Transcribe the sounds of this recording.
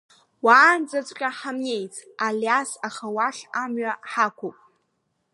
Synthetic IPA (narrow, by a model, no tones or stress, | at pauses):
waːnd͡zat͡sʷʼqʲʼaħamje̞jt͡sʼ | aljasaχawaʃamɥaħakʷopʼ